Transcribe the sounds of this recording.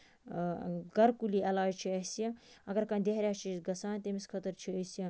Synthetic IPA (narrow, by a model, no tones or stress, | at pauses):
ɡɐɾkuliɐlaːjt͡ʃʰiɐsjɐ̃ɐɡɐɾkãnd̪eɦɾʲjaːt͡ʃʰizɡɐsãːnt̪emiskʰət̪əɾt͡ʃʰiɐsjĩ